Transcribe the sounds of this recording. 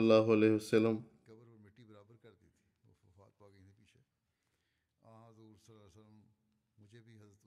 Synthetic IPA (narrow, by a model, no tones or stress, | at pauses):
lːaːɦʊɐlɛːɦʋɐsɐlːəmkɐbəɾpɐɾmɪʈːibɐɾaːbəɾkɐɾd̪it̪ʰi̥̰ɐ̰fa̰ːt̪̚paːɡəĩt̪ʰipiːt͡ʃʰe | ãːɐzuːɾsɐlaːsəlːəmː | ʊd͡ʒʱebʱiɦɐzɾət̪